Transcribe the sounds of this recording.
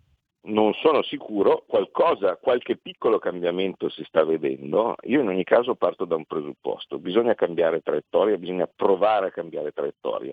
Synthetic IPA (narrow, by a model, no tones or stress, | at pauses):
nonsoːnosikʰuːɾokwalkɔːzakwalkepːikːolokambjament̪osist̪avːed̪ɛ̰nd̪o̰ḭːoinoɲːikaːzopart̪od̪aumpɾezupːɔ̰st̪obizoɲːakambjaːɾet̪ɾajet̪ːɔːɾjabizoɲːapɾovaːɾeakːambjaːɾet̪ɾajet̪ːɔ̰ːɾja̰